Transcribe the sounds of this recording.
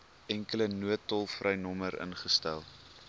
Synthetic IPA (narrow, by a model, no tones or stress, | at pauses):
ɛŋkələnuətːɔlˠfrʔəjnɔməɾə̰nχəstæ̰lˠ